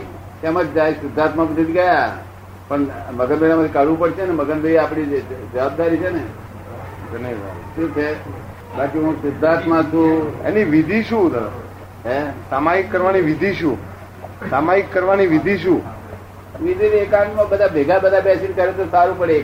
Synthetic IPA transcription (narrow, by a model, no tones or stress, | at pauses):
kɛməd͡ʒd͡ʒasɪd̪ʱːat̪mãpənit̪iɡəja | pəɳməɡənbʱeɽamat̪ʰikaɽʋũpəɽt͡ʃʰeneməɡənbʱeapɳ̃id͡ʒəʋab̚d̪aɾit͡ʃʰene | ɡənea̰ʃũt͡ʃʰe | bakiɦũsɪd̪ʱːãt̪mãt͡ʃʰũḛniʋid̪ʱiʃũə | ɦesamaikːəɾʋaniʋid̪ʱiʃũ | samaikːəɾʋaniʋid̪ʱiʃũ | ʋid̪ʱiʋekanmabəd̪ʱabʱeɡabəd̪ʱabasinkəɾet̪osaɾũpəɽe